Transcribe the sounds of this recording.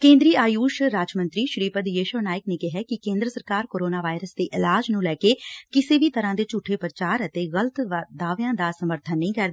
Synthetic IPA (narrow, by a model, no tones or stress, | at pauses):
kẽːnd̪ɾiːaːjuːʃɾaːd͡ʒmə̃nt̪ɾiːʃɾiːpəd̪jeːʃəːnaːɪkneːkɪɦɛːkɪkẽːnd̪ɾəsəɾkaːɾkoːɾoːnaːʋaːɪɾəsd̪eːʔɪlaːd͡ʒnũːlɛːkeːkɪseːbiːt̪əɾãːd̪eːt͡ʃuːʈʰeːpɾət͡ʃaːɾət̪eːɣələt̪d̪aːʋjãːd̪aːsəməɾt̪ʰənːəɦĩːkɛɾd̪aː